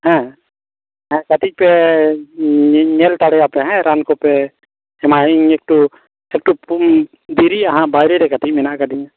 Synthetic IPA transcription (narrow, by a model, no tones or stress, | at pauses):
hɛ̃ | ɦɛ̃kat̪ʰic̚pɛ | ɲɛlt̪aɽɛjapɛɦɛ̃ɾankɔpɛ | ɛmaɦiek̚ʈu | ɛk̚ʈup | d̪iɾiaɦãbajɾɛɾɛkat̪ʰic̚ˀmɛnaʔkad̪iɲã